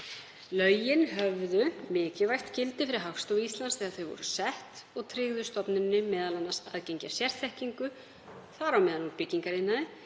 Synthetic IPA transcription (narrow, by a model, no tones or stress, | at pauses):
lœɥjɪnɦœvðʏmɪːcɪvajht̪cɪlt̪ɪfɪɾɪɦafst̪owist̪lansθɛːɣaθœɥvɔ̰ɾʏsɛht̪ɔɣt̪ʰɾɪɣðʏst̪ɔpnɪnːɪmɛːðalanːasaðcejɲcasjɛr̥t̪θɛhciŋkʏ | θaɾawmɛːðaluɾpɪciŋkaɾɪnːaðɪ